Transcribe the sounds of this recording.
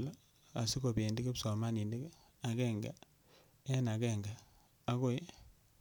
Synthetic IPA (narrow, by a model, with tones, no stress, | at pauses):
la˦ | a̰˨si˦ko˨be˨ndi˦ke˦psɔ˨ma˦ni˨nde˦k | a˨kɛ˦ŋɡa̰˨ | ɛ˦na˨kɛ˦˨ŋɡa˨ | a˦ko˦j